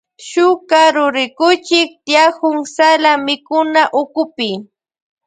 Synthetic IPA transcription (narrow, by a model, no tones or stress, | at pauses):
ʃʊkaɾʊɾɪkʊt͡ʃɪk̚t̪jahʊŋsalamɪkʊnaʔʊkʊpɪ